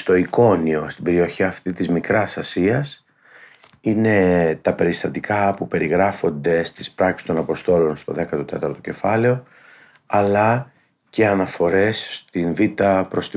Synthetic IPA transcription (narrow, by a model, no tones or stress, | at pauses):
st̪o̞iko̞nio̞st̪ibe̞ɾio̞çiɐft̪it̪izmikɾɐsɐsiɐs | ine̞t̪ɐpe̞ɾist̪ɐt̪ikɐpupe̞ɾiɣɾɐfo̞nd̪e̞st̪i̥spɾɐksi̥st̪o̞nɐpo̞st̪o̞lo̞nst̪o̞ðe̞kɐt̪ot̪et̪ɐɾt̪o̞ce̞fɐle̞o̞ | ɐlɐ | ce̞ɐnɐfo̞ɾe̞sːt̪invit̪ɐpɾo̞st̪i